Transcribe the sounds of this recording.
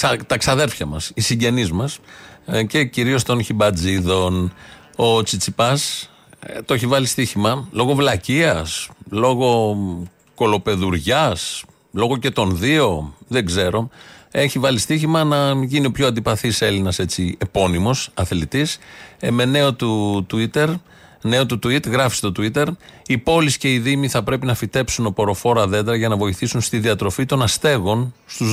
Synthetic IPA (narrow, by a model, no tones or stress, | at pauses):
t̪ɐksɐðe̞ɾfçɐmɐsisiɲɟe̞nizmɐsce̞ciɾio̞st̪o̞nçibɐd͡ziðo̞n | o̞t͡sit͡sipɐs | t̪oeçivɐlist̪içimɐlo̞ɣo̞vlɐciɐslo̞ɣo̞ | ko̞lo̞pe̞ðuɾʝɐs | lo̞ɣo̞ce̞t̪o̞nðio̞ðeɡze̞ɾo̞e̞çivɐlist̪içimɐnɐʝinio̞pçoɐnd̪ipɐθise̞linɐse̞t͡sie̞po̞nimo̞sɐθlit̪isme̞ne̞o̞t̪ut̪uit̪e̞ɾ | ne̞ot̪ut̪uit̪ɣɾɐfi̥st̪o̞t̪uit̪e̞ɾipo̞lisce̞iðimiθɐpɾe̞pinɐfit̪e̞psuno̞po̞ɾo̞fo̞ɾɐðe̞d̪ɾɐʝɐnɐvo̞iθisunst̪iðiɐt̪ɾo̞fit̪o̞nɐst̪e̞ɣo̞nst̪uz